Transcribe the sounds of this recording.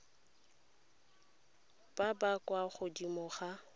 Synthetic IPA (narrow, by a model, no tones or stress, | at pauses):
b̥abakʼwaχʊdimʊχa